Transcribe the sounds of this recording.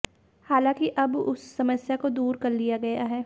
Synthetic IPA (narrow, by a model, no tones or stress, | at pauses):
haːlãːkiʔɐbʊ̰sːɐməsjakod̪uːɾkɐɾlijaɡɐjaɦɛː